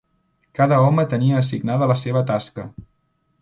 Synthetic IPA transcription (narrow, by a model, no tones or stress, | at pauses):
kaðəɔmət̪əniəːs̬iɡnaðələseβ̞ət̪askə